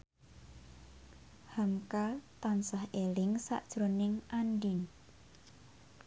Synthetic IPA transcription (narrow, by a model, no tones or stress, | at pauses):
hamkat̪ansahelɪŋsa̰ʔd̥ʒ̥ɾonɪŋʔandin